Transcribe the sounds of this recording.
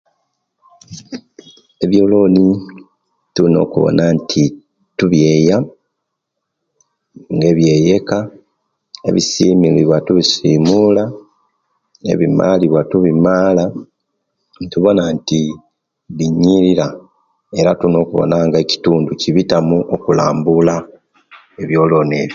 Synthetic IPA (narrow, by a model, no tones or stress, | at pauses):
e̞βjo̞ːlo̞ni | tuno̞̰ːkuβo̰nantʰi | tuβjeja | ŋɡe̞βje̞ːje̞ka | e̞̰βisiːmiliβwatuβisiːmula | e̞̰βima̰liβwatuβimaːla | tuβo̞nanti | βiɲːiɾiɾa | e̞ɾatuno̞ːkuβo̞̰naŋɡaeci̥tuːnduciβitamuʔokula̰ːmbula | e̞βjo̞ːlo̞ːne̞ːβo